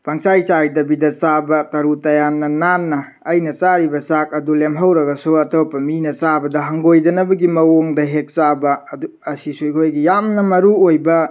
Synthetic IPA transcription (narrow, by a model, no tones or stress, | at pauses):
pɐŋsajt͡ʃajdɐbidɐt͡ʃabɐtɐɾutɐjanːɐnanːɐː | jnɐt͡ʃaɾibɐsak̚ɐdulemɦawɾɐɡɐsuɐtɐwpːɐminɐt͡ʃabɐdɐɦɐŋɡojdɐnɐbɐɡimɐwoŋdɐɦek̚t͡ʃabɐuɐsisuikʰojɡijamnɐmɐɾuojbɐ